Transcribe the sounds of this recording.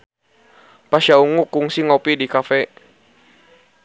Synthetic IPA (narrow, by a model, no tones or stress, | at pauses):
paʃauŋukuŋsiŋɔpidikafɛ